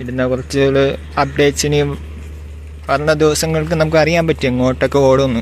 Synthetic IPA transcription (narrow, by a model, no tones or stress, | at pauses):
iɽunːɐkurɐt͡ɕːɨɭ | ɐp̚ɖe̞ːʈsini | ʋɐrɐnːɐd̪iʋɐsɐŋːɐɭkɨnɐmukːɨɐrijaːmpɐtːieŋːo̞ːʈːokːeo̞ːɽuɐnːu